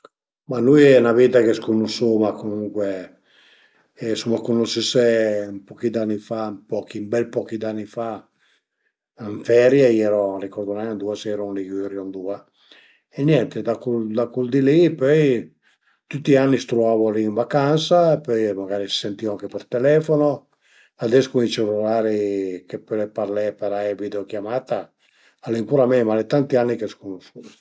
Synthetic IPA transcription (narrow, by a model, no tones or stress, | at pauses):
manujɛnavit̪akeskunːusomakomuŋkwe | ɛsumːakunːosisempɔkid̪anːifapɔkimbɛlpɔkid̪anːifa | iɱfɛɾjaiɛɾɔrikɔɾd̪ɔnajand̪uasɛɾɔnlikrjɔnd̪ua | ɛnjɛnt̪ed̪akud̪akuld̪ilipøj | t̪ut̪ːianːist̪ɾuaːvoaliːɱvakansaepɔjmaɡaːɾisi̥sent̪iːɔaŋkepɛrt̪ɛlɛfono | ad̪ɛskuit͡ʃɛlulaːɾikepølepaɾlɛpeɾaɛvid̪eokjamaːt̪a | alimpuɾamɛmalet̪ant̪ianːikeskonoʃu